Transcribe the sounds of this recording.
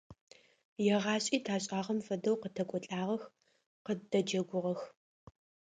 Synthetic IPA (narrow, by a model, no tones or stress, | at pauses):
jɛʁɑːɕʼiːtʰaːɕʼaːʁɐmfɐdɐwqətʰɐkʷʼɔɬʼaːʁɐx | qədɐd͡ʒɐɡʷʊʁɐx